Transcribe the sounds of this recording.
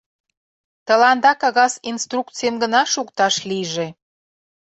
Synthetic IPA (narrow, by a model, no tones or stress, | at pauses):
t̪əlɑnd̪ɑkɑɣɑsinst̪rukt͡sijemɡənɑʃukt̪ɑʃliʒe